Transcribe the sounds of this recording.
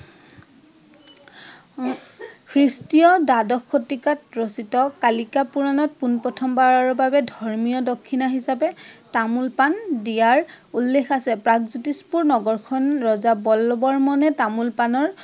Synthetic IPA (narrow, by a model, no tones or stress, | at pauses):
kʰɹistijɔdadɔkʰːotikatɹositɔkalikapuɹanɔt̚punpɹɔtʰɔmbaɹaɹɔbabɛdʱɔɹmijɔdokʰːinaɦisapɛtamulpandijaɹ | ulːexasɛpɹakzutispuɹnɔɡɔɹkʰɔnɹɔzabɔlɔbɔɹmɔnɛtamulpanɔɹ